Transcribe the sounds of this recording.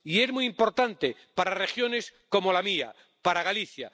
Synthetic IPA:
ie̞zmuijimpo̞ɾt̪ant̪epaɾare̞xjo̞ne̞sko̞mo̞lamia̰ | paɾaɣaliθja̰

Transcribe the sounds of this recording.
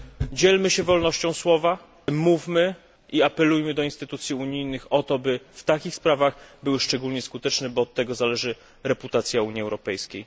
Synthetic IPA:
d͡ʑeɛlmɘɕɛvɔlnɔɕt͡ɕɔ̃w̃swɔva | muvmɘ | iapɛlujmɘd̪ɔinst̪ɘt̪ut̪sʲjiuɲijnɘxɔt̪ɔbɘft̪akʲixspɾavaɣbɘwɘʂt͡ʂɛɡulɲɛskut̪ɛt͡ʂnɛbɔːt̪ːɛɡɔzalɛʐɘ | ɾɛput̪at̪sʲjauɲjiɛwɾɔpɛjskʲej

